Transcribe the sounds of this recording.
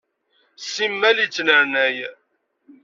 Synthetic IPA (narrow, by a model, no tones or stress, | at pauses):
simːælit͡sːnəɾnæj